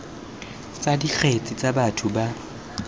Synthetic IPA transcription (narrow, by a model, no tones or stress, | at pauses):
t͡sʼadik͡xʰet͡sʼit͡sʼabatʰʊba